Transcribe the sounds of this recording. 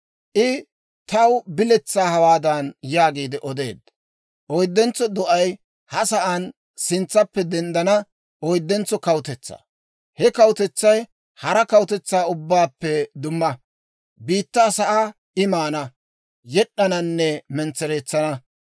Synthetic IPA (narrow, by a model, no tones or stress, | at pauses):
ʔɪ | t̪ɐwbɪlɛt͡sːaːhɐwaːd̪ɐnjaːɡiːd̪ɪʔɔd̪eːd̪ɐ | ʔɔjd̪ːɛnt͡sːɔd̪ɔʔɐj | hɐsɐʔɐn | sɪnt͡sːɐpːɛd̪ɛnd̪ɐnɐ | ʔɔjd̪ːɛnt͡sːɔkɐwt̪ɛt͡sːɐ̰ | hɛkɐwt̪ɛt͡sːɐj | hɐɾɐkɐwt̪ɛt͡sːaːʊbːaːpːɛd̪ʊmːɐ | biːt̪ːaːsɐʔa | ɪmaːnɐ | jɛɗːɐnɐnːɛmɛnt͡sːɛɾeːt͡sːɐnɐ